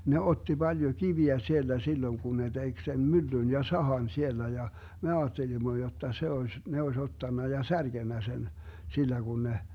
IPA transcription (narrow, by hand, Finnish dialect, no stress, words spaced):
ne otːi b̥ɑljo kiʋiæ sield̥æ silːoĭŋ kun ne tek sen mylːyn jɑ sɑhɑn sielːæ jɑ me ɑːtːelimːo jotːɑ se oes ne oes otːɑnːɑ jɑ særɡ̊enːæ sen silːæ ɡ̊un ne